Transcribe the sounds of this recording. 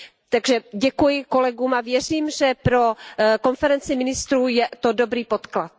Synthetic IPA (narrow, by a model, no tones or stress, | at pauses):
t̪aɡʒɛɟɛkujɪko̞lɛɡuːmavjɛr̝iːmʒɛpɾo̞ko̞nfɛɾɛnt͡sɪmɪnɪst̪ɾuːjɛt̪odo̞bɾiːpo̞t̪klat̪̚